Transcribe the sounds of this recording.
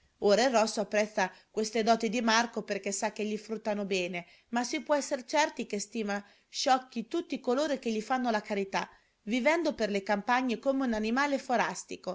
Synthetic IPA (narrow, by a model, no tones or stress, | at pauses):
oːɾairːɔsːoapːɾɛt̪sːakwest̪ed̪ɔːt̪id̪imarkoperk̟esːakːeʎːifɾut̪ːanobɛːne | masːipwɔɛsːeɾt͡ʃɛrt̪ikest̪iːma | ʃɔkːit̪ut̪ːikoloːɾok̟eʎːifanːolakaɾit̪a | vivɛnd̪operlekampaɲːekomeunanimaːlefoɾast̪iko